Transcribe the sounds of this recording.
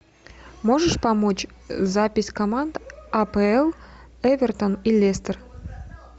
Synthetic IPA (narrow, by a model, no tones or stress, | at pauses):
moʒəʂpɑmot͡ɕ | zapʲɪsʲkomand̪ɐpəelˠ | evʲert̪onilʲːest̪ər